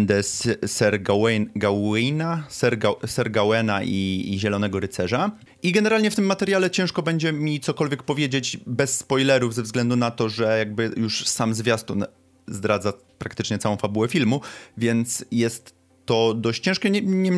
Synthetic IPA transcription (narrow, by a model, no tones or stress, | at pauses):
nd̪ɛssɛɾɡawɛɡawɛjnasɛɾɡasɛɾɡawɛnaʔiʑɛlɔnɛɡɔɾɘt̪sɛʐa | iɡɛnɛɾalɲɛft̪ɘmːat̪ɛɾʲjalɛt͡ɕɛ̃w̃ʂkɔbɛɲd͡ʑɛmʲit̪sɔkɔlvʲjɛk̚pɔvʲjed͡ʑed͡ʑbɛsːpɔjlɛɾuvzɛvzɡlɛnd̪unat̪ɔʐɛjaɡ̚bɘjuʂsamzvʲjast̪u | zd̪ɾad̪za | pɾak̚t̪ɘt͡ʂɲɛt̪sawɔ̃w̃fabuwɛfʲilmuvʲjɛnt̪sjɛst̪ː | ɔd̪ɔɕt͡ɕt͡ɕɛ̃ʂkɛɲɛm